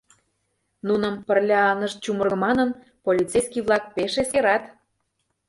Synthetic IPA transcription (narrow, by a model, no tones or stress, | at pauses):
nunə̆mpərlʲɑɑnəʃt͡ɕumərɣɤmɑnən | polʲit̪t͡sejskiβlˠɑk̚peʃeseɾɑt̪